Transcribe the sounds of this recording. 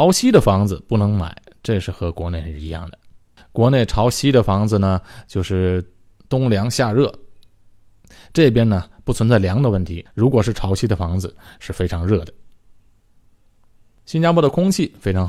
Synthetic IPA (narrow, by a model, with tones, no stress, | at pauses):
ʊɕi˥d̪ə˨fɑ˧˥ŋd͡zɹ̩˧pu˥˩nɤ˧˥ŋma̰˨˩˦ɪ | ʈ͡ʂɤ˥˧ʂɻ̩˥˩xɤ˧˥kwɔ˧˥ne˥˩ɪ˧i˧˥jɑ̰˥˩ŋd̪ə˩ | kwɔ˧˥ne˥˩ɪʈ͡ʂʰɑ˧˥ʊɕi˥d̪ə˨fɑ˧˥ŋd͡z̩˧nə˩t͡ɕjo˥˧ʊʂɻ̩˥˩ | t̪ʊ˥ŋljɑ˧˥ŋɕja˥˧ɻɤ˥˩ | ʈ͡ʂɤ˥˩p̬jɛ˥nnə˨pu˥˩t͡sʰwə˧˥nt͡sa˥˩ɪljɑ˧˥ŋd̪ə˧wə˥˩nt̪ʰi˧˥ɻu˧˥kwɔ˨˩ʂɻ̩˥˩ʈ͡ʂʰɑ˧˥ʊɕʰi˥d̪ə˨fɑ˧˥ŋd͡zɹ̩˧ʂɻ̩˥˩fe˥ɪʈ͡ʂʰɑ˧˥ŋɻɤ˥˩d̪ə˩ | ɕi˥nt͡ɕja˥pwɔ˧˥d̪ə˨kʰʊ˥ŋt͡ɕʰi˥˩fe˥ɪʈ͡ʂʰɑ˧˥ŋ